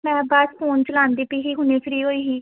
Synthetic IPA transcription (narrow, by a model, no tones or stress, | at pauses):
mɛ̃ːbaspʰoːnt͡ʃəlãːnd̪iːpiɦiːɦʊneːsɾiːɦoːiːɦiː